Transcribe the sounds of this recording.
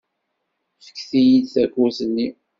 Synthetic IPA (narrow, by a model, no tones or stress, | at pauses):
fə̥kːθijid̪θækːuθənːi